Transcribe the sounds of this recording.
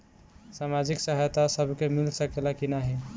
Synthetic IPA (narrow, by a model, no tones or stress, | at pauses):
samad͡ʒiksaɦajt̪asəbʱkemilsəkelakinaɦi